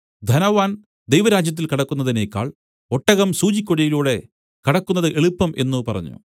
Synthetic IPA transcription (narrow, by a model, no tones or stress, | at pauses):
d̪ʱɐnɐʋaːn | d̪ejʋɐɾaːd͡ʑjɐt̪̬ːilkiɽɐkːunːɐðineːkʲːa̰ːɭ | o̞ʈːɐɣɐmsuːt͡ɕikʲːoɽijiluːɽe̞ | kiɽɐkːunːɐðɨʔeɭupːɐmʔe̞nːupɐrɐ̰ɲːṵ